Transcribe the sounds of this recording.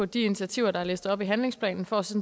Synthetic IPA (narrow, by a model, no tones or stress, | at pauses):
ɔ̽d̥iinit͡sʰiæt͡sʰiʊ̰ɐɾ̥ɑ̈æle̝ːsd̥̩ˠɒ̽b̥iɦænle̝ŋspʰlɛ̰ːnn̩fɒsen̩